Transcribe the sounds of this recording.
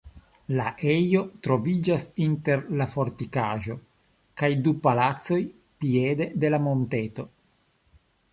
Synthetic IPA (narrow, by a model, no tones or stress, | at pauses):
laʔejo̞t̪ɾo̞vid͡ʒasinte̞ɾlafo̞ɾtikaʒo̞ | kajdupalatso̞j | piede̞de̞lamo̞nte̞to̞